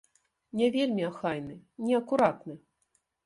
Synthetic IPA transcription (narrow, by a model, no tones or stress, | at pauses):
nʲɛvʲelʲmʲiaxajnɨnʲɛɐkuɾat̪nɨ